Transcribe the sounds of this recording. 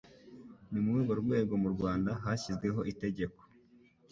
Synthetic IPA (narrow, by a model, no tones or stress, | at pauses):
nimuɡuɡoɾuɡwe̞ːɡo̞muɾɡwaːndaɦaçizɡwe̞ɦo̞ʔite̞ɟe̞ko̥